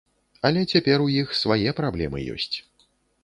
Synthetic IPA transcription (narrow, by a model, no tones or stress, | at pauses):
ɐlʲɛt͡sʲapʲɛɾujixsvajɛpɾablʲɛ̰mɨ̰jɔ̰sʲt͡sʲ